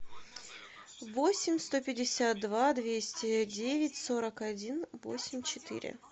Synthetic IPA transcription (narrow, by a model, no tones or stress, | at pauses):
vosʲɪmʲst̪o̞pʲɪdʲɪsʲat̪̚d̪vad̪vʲesʲtʲɪdʲevʲɪtʲso̞ɾəkɐdʲinvo̰sʲɪmʲt͡ɕɪt̪ɨ̰ɾʲɪ̰